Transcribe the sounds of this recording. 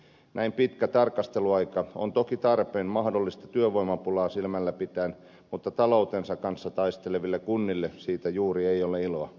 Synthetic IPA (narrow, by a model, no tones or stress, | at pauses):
nʔæimpit̪kæt̪ɑrkɑst̪eluɑikɑont̪okit̪ɑrpeːnmɑhdolːist̪ɑt̪yøʋoimɑpulɑːsilmælːæpit̪æːn | mut̪ːɑt̪ɑlout̪ensɑkkɑnsːɑt̪ɑist̪eleʋilːekunːilːesiːt̪æjuːrieioleiloɑ